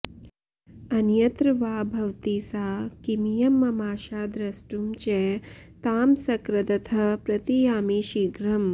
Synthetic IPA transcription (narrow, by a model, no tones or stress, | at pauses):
ɐnjɐt̪ɾɐʋaːbʱɐʋt̪isaːkimijɐmːɐmaːʃaːd̪ɾɐsʈumt͡ʃɛːt̪aːmsɐkɾɐd̪ɐt̪ʰɐpɾɐt̪ijaːmiːʃiɡɾɐm